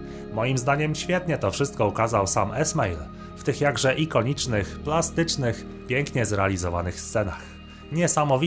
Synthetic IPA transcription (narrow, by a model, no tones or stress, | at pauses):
mɔjimzd̪aɲɛmɕfʲjɛt̪ɲɛt̪ɔfʂɘst̪kɔukazawsamɛsmɛjl | ft̪ɘxjaɡʐɛʔikɔɲit͡ʂnɘxplast̪ɘt͡ʂnɘx | pʲjɛŋkɲɛzɾɛalʲizɔva̰nɘxst̪sɛnax | ɲɛsamɔvʲi